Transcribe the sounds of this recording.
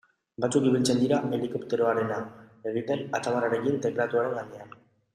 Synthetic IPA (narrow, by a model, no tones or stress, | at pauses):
bat͡sukiβilt͡se̞nd̪iɾaʔe̞likopt̪e̞ɾo̞aɾe̞naeɣienat̪aβaraɾe̞kint̪ekɾat̪uaɾe̞ŋɡanean